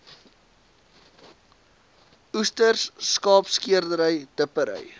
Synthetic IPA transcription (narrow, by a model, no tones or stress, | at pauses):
ustərsːkɑːpskiərdəɾəjdəpəɾə̰j